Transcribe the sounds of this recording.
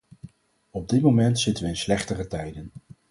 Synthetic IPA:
ɔb̚dɪtmomɛntsɪtənʋəɪnslɛχtərətɛjdən

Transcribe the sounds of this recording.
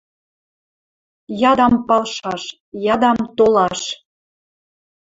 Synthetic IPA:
jɑd̪ɑmpɑlʃɑʃ | jɑd̪ɑmt̪olɑʃ

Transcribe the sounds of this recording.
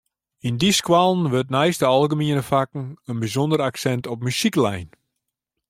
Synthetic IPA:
indiskwalˠnʋøtnɛjstəɑlˠɡəmiənəfakŋ̩ənbizɔndəɾaksɛntɔp̚mysiklɛjn

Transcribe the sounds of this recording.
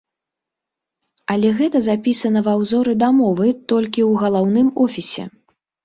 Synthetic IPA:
ɐlʲɛɣɛt̪ɐzapʲisɐnɐvawzɔɾɨd̪amɔvɨt̪ɔlʲkʲiwɣɐlˠawnɨmɔfʲisʲɛ̰

